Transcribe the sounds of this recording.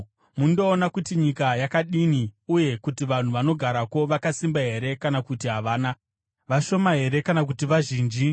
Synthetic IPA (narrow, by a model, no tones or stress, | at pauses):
mundo̞ːnakutiɲikajakaɗiniuje̞kutiʋan̤uʋano̞ɡʱaɾako̞ʋakasimbaɦe̞ɾe̞kanakutiɦaʋaːna | ʋaʃo̞maɦe̞ɾe̞kanakutiʋaʒiːnd͡ʒi